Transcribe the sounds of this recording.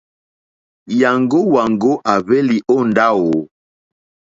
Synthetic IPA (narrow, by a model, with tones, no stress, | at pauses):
ja˨ŋɡo˦wa˨ŋɡo˦ʔa˨βɛ˦li˨ʔo˦nda˦wo˨